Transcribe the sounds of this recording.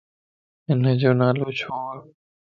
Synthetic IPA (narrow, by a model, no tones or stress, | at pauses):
ɪnəd͡ʑoːnaːloːt͡ɕʰoː